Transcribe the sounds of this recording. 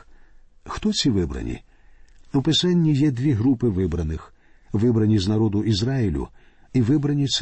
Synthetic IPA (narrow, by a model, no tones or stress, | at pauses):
xt̪ɔt͡sʲiʋɪbɾɐ̰nʲḭ | upɪsanʲːijɛd̪ʲʋʲiɦɾupɪʋɪbɾɐnɪx | ʋɪbɾɐnʲiznɐɾɔd̪ʊʔizɾailʲʊ̰ | iʋɪbɾɐnʲit̪s